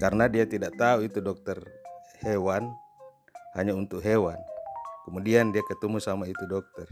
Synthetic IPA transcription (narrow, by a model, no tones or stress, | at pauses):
karnadiat̪idaʔt̪auit̪udɔk̚t̪ɛrhɛwan | haɲaunt̪ukɦɛwankɛmudiandiakɛt̪umusamait̪udɔk̚t̪ɛr